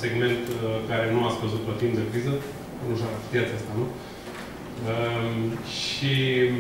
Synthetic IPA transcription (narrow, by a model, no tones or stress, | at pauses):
se̞ɡme̞nt̪kaɾe̞nuat̪sʲkəzut̪̚pəfimd̪əkɾizə | nuʃakat̪ijat̪səst̪anu | ə | ʃi